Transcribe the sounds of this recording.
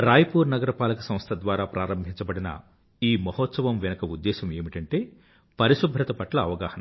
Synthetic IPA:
ɾaːjɐpuːɾnɐɡɐɾɐpaːlɐkɐsɐ̃mst̪ʰɐd̪ʋaːɾaːpɾʔaːɾɐmbʱiɲt͡ʃɐbɐɽinɐ̰ | iːmɐɦɔt̪sɐʋɐmʋɛnɐkɐud̪ːɛːʃɐme̞ːmiʈɐɳʈe̞ː | pɐɾiʃubʱɾɐt̪ɐpɐʈlɐːʋɐɡaːhɐnɐm

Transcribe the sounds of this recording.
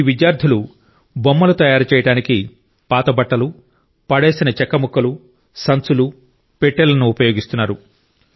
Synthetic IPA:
ʋid̪jaːɾd̪ʰʱilu | bomːɐlɐt̪ɐjaːɾɐt͡ʃɛːjɐɽaːniki | paːt̪ɐbɐʈːɐlu | pɐɽeːsinɐt͡ʃɛkːɐmukːɐlu | sɐnsulu | peʈːeːlɐnuːpɐjo̞ːɡist̪unːaːɾu

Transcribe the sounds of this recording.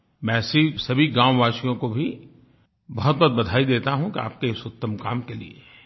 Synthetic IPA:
mɛ̃ːsisɐbʱiɡãːmʋaːʃijõkobʱi | bɐɦʊt̪̚bɔt̪̚bɐd̪ʱaːid̪eːt̪aɦũkia̰ːp̚keɪsʊt̪ːəmkaːmkelḭḛ

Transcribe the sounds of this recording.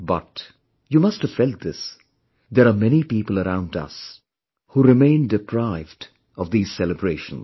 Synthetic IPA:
bʌt | jumʌsthəv̥fɛlt̚d̪ɪs | d̪ɛɾamɛnipiːpəl̩ˠəɾãʊ̃ndʌ̰s | huːɾɪmẽɪ̃ndɨpʰɾaɪvd | ɔvd̪iːz̥sɛləbɾeɪʃə̃n̩

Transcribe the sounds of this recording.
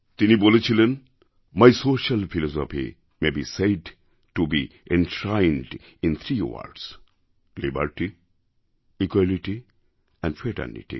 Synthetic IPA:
t̪iniboːlet͡ʃʰilen | majsoːʃɐlfʰilɔsɔfḭ | mebiseɖ | ʈubiẽnʈɾãɪnɖ | ĩnt̪ʰɾiʋa̰ɾɖs | libəɾʈi | ikwaliʈi | ɛ̃ɳɖfɾeʈɛ̰ɾnḭʈḭ

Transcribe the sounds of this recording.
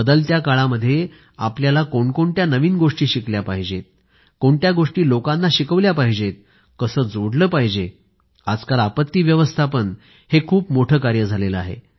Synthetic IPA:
bəd̪əlt̪jakaɭaməd̪ʱːje | apljalakoɳkoɳt̪janəʋiːnɡoʂʈiːɕikljapaɦid͡ʑet̪̚ | koɳʈ̪jaɡoʂʈiːlokãnːaɕikəʋljapaɦid͡ʑet̪̚ | kəsəːd͡zoɽləːpaɦid͡ʑe | ad͡zkalapət̪ːiːʋjəʋəst̪ʰapəɳ | hekʰuːpmoʈʰəːkaɾjəd͡zʱaleləa̰ɦḛ

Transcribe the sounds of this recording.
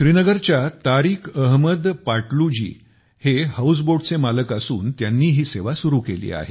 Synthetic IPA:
ɕɾinəɡəɾt͡ɕjat̪aɾiːkʰəɦməd̪paʈlud͡ʑḭː | hehaus̬boɽt͡semaləkasuːnt̪janːiːɦiːseʋasuɾuːkelḭːa̰ɦe

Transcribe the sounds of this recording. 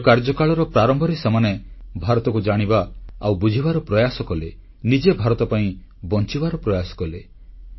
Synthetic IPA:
kaɾd͡ʒɔkaɭɔɾɔpɾaɾɔmbʱɔɾesemanebʱaɾɔt̪ɔkud͡ʒaɽ̃ibaawbud͡ʒʱibaɾɔpɾɔjasɔkɔle | nid͡ʒebʱaɾɔt̪ɔpaĩ | bɔnt͡ʃibaɾɔpɾɔjasɔ̥kɔle

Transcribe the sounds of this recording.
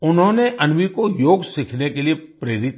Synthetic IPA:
ʊnɦõneʔɐnʋikojoːɡsikʰnekeliepɾeːɾɪt̪

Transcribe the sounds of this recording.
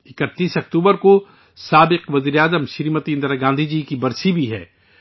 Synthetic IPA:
ɪkət̪ːiːsɐk̚t̪uːbəɾko | saːbɪqʋɐziːɾeaːzəmʃɪɾimət̪ĩnd̪əɾaɡãːnd̪ʱid͡ʒiːkibɐɾsibʱiɦɛ̰ː

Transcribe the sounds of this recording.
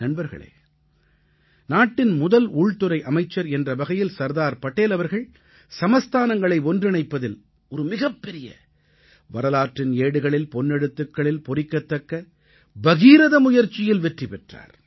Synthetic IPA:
nɐnbɐɾɣɐ̰ɭḛː | naːʈːɪnmʊðɐluːɭt̪ɯɾɐɪʔɐmɐɪt͡ʃːɐɾɛndrɐbɐɣɐjɪlsɐɾðaːɾpɐʈːeːlɐʋɐɾɣɐɭ | sɐmɐst̪ʰaːnɐŋɡɐɭɐɪɔndrɪɳɐɪpːɐðɪl | ɔɾɯmɪɣɐpːɛɾɪjɐ̰ | ʋɐɾɐlaːʈrɪneːɽɯɣɐɭɪlpɔnːɛɽɯt̪ːɯkːɐɭɪlpɔrɪkːɐt̪ːɐkːɐ | bɐɣiːɾɐðɐmʊjɐɾt͡ʃɪjɪlʋɛʈripɛʈra̰ːɾ

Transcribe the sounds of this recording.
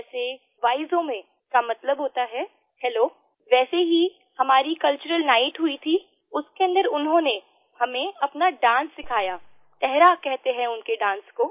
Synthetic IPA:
ɛːse | ʋaːɪzõmẽ | kamɐt̪ləbɦoːt̪aɦɛː | hɛloː | ʋɛːseɦi | hɐmaːɾikɐlt͡ʃʊɾəlnaːɪʈɦʊit̪ʰi | ʊskeɐ̃nd̪əɾʊnɦõne | hɐmẽɐpnaɖãːnsːɪkʰaːjaː | t̪ɛɦɾakɛɦt̪eɦɛ̃ʊnkeɖãːnskoː

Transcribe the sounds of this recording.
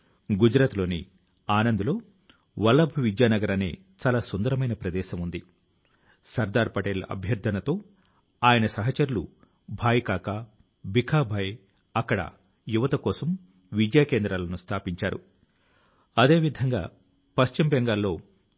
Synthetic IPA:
ɡud͡ʒɾaːt̪lo̞ːnḭ | aːnɐnd̪ulo̞ː | ʋɐlːɐbʱuʋid͡ʒjaːnɐɡɐɾɐne̞̰ː | t͡ʃaːlaːsond̪ɐɾɐmɐjnɐpɾɐd̪ɛːʃɐmund̪i | sɐɾd̪aːɾpɐʈelɐ̰bʱjɐɾd̪ʱɐnɐt̪o̞ː | aːjɐnɐsɐɦɐt͡ʃɐɾulu | bʱaːjkaːka | bʱikʰaːbʱɐj | ɐkːɐɽɐ̰ | juʋɐt̪ɐkɔːsɐm | ʋid͡ʒjaːkeːnd̪ɾaːlɐnust̪ʰaːpiɲt͡ʃaːɾṵ | ɐd̪e̞ːʋid̪ʱɐŋɡa̰ː | pɐʃt͡ʃimbɛŋɡaːlːo̞ː

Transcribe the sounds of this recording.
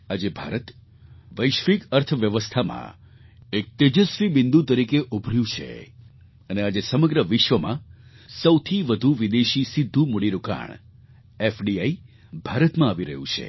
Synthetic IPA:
ad͡ʒebʱa̰ɾət̪ | ʋəjʃʋikəɾt̪ʰʋjəʋəst̪ʰamã̰ | ek̚t̪ed͡ʒəsʋibɪ̃nd̪ut̪əɾikeʔubʱɾjũt͡ʃʰḛ | ənead͡ʒesəməɡɾəʋɪʃʋəmã̰ | səwt̪ʰiʋəd̪ʱuʋid̪eʃisid̪ʱːũmuɽiɾuka̰ɳ | efɖiai | bʱaɾət̪mãaʋiɾə̰ɦjṵ̃t͡ʃʰḛ

